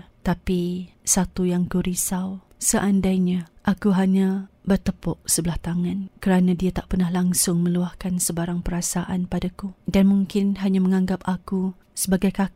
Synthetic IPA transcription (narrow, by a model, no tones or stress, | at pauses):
t̪apisat̪ujaŋkuɾisaw | səʔandajɲãʔakuɦaɲãbərt̪əpɔʔsəbəlaht̪aŋãnkəɾanãdiat̪aʔpərnahlaŋsʊŋmə̃luahkansəbaɾaŋpəɾasaʔa̰npadakudanmuŋkɪnɦaɲaməŋãŋɡap̚aku | səbaɡajkak